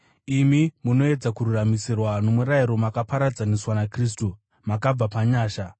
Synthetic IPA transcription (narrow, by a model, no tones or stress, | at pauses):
imimuno̞e̞d͡zakururamisirwano̞muɾaiɾo̞makapaɾad͡zaneswanakriːs̬tu | makab͡vapaɲaːʃa